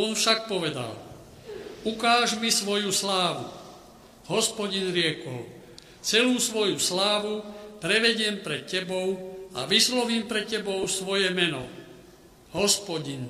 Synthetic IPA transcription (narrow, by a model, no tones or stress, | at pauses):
ɔnfʃak̚pɔʋɛd̪a̰l | ukaːʒmisʋɔjuslaːʋṵ | ɦɔspɔɟinɾɪɛkɔ̰ʊ | t͡sɛluːsʋɔjuslaːʋupɾɛʋɛɟɪɛmpɾɛt̪̚cɛbɔʊa̰ʋislɔʋiːmpɾɛcːɛbɔʊsʋɔjɛmɛnɔ̰ | ɦɔspɔɟin